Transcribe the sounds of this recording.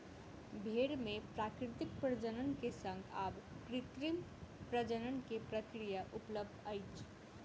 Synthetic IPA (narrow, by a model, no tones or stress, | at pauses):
bʱeɾmẽpɾaːkɾɪt̪ɪk̚pɾəd͡ʒənənkesə̃ŋɡabkɾɪt̪ɾimpɾəd͡ʒənənkepɾəkɾijaʔʊpləb̚d̪aɪt͡ʃʰ